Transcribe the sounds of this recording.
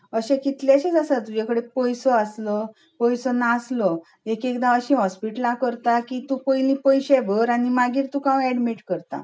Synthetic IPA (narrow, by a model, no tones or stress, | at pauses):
əɕɛ̃kit̪ljaɕẽd͡zasat̪ːud͡ʑakəɽepɔjsɔaslɔ | pɔjsɔnaslɔ | ekekd̪aəɕĩɦɔspiʈlãkəɾt̪akit̪ũpəjlĩpəjɕɛbəɾaɽ̃imaɡiːɾt̪ukãɛɽmiʈkəɾt̪a̰